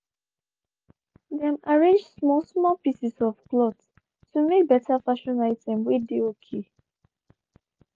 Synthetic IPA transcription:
ðɛ̃maɹẽnd͡ʒsmɔsmɔpisisɔfklɔts | tumek̚bɛtafaʃɔ̃naɪtʰɛ̃mwedeokʰe

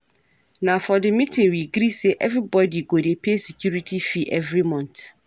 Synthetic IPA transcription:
nãfɔdɪmĩtʰɪ̃ŋwiɡɾisɛʔɛvɾibɔdiɡodepʰesɛkʰuɾitʰifiʔɛvɾimɔ̃nt

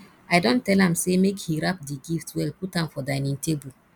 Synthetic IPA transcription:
ajdɔ̃ntɛlãmsemekhiɹap̚diɡiftwɛlputãmfɔdãjnĩŋtebul

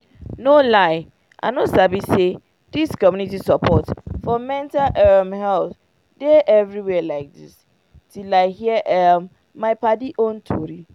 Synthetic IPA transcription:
nolaɪ | ʔã̰nosabise | d̥iskɔmjũnitisɔpʰɔtfɔmɛ̃ntaʔɛmhɛlθ | deʔɛvɹiwɛlaɪk̚dḭs | tʰilaɪhiəʔɛ̃mː | aɪpadiʔõntʰoɾi

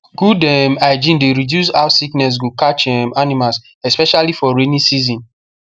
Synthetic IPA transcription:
ɡ̥udɛmaɪd͡ʒĩndeɾidjus̬aʊsiknɛs̬ɡukat͡ʃɛmanimas | ɛspɛʃalifɔɹenĩsizĩn

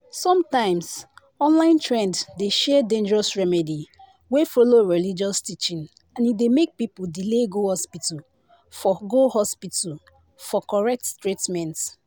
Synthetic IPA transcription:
sɔ̃mtãɪ̃ms | ɔ̃nlãɪ̃ntɹɛ̃nddeʃɛdẽnd͡ʒɛɹɔsɹɛmɛdi | wefɔloɹilid͡ʒɔstit͡ʃĩn | ãnidemek̚pipuldileɡohɔspital | fɔɡohɔspital | fɔkɔɹɛk̚ttɹitmɛ̃nt

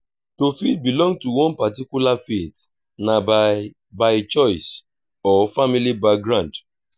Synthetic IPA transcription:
tofit̚bilɔ̃ŋɡ̚tuwɔ̃npatikjulafit | na | baɪt͡ʃɔɪs | ɔfamilibak̚ɡɾãnd

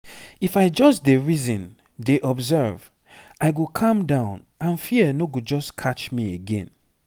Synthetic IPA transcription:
ifaɪd͡ʒɔsdeɹizɔ̃n | deʔɔbzɛɹv | ʔaɪɡokʰɔ̃mdãʊ̃n | ãnfiənoɡud͡ʒɔskʰat͡ʃmieɡɛ̰̃n

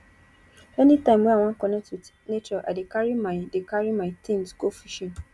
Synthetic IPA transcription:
ɛnitãɪmweaw̃ãŋ̩kɔnet | netoʔa̰dekaɾimaɪdekaɾimatĩnskofiʃɔ̃n

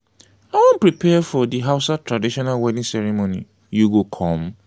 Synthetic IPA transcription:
awɔ̃npɹipʰɛfɔdiɦaʊsatʰɹadiʃɔnalwɛdĩŋsɛɾimõnḭ | juɡokʰɔ̃m

